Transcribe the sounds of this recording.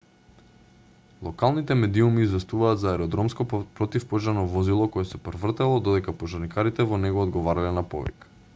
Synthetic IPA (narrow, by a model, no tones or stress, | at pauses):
lˠɔkalˠnit̪ɛmɛd̪iumiːzvɛst̪uvaːd̪zaɛɾɔd̪ɾɔmskɔpɾɔt̪ifpɔʒaɾnɔvɔzilˠɔkɔɛsɛpɾvr̩t̪ɛlˠɔd̪ɔd̪ɛkapoʒaɾnikaɾit̪ɛvɔnɛɡɔːd̪ɡɔvaɾalɛnapɔ̰vɛ̰k